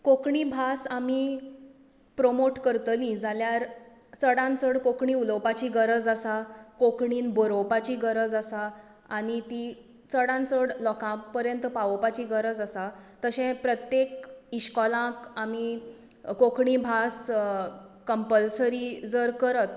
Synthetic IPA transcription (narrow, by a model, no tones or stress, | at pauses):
kokɳibʱasami | pɾomoʈkəɾt̪əlĩd͡zaljaɾ | t͡səɽãnt͡səɽkokɳĩːuləwpat͡ɕiːɡəɾəd͡zasakokɳiːnboɾowpat͡ɕiːɡəɾəd͡zasaː | ɽ̃it̪i | t͡səɽãnt͡səɽlɔkãpəɾjənt̪paʋəpat͡ɕiːɡəɾəd͡zasat̪əɕɛ̃pɾət̪jekiɕkɔlãkami | kokɳiːbʱas | kəmpəlsəɾiːd͡zəɾkəɾət̪̚